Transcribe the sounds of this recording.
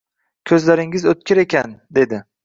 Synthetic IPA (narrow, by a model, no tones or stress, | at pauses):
kʲʰɵzlaɾɪŋɪzɵt̪̚kʲɪɾe̞kʲand̪e̞d̪ɪ